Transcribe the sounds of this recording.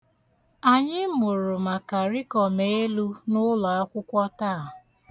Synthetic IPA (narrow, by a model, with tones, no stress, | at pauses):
a˨ɲɪ˦mʊ˨ɾʊ˨ma˨ka˨ɾi˦kɔ˨me˦lu˦nʊ˦lɔ˨a˦kʷʊ˦kʷɔ˦taː˦˨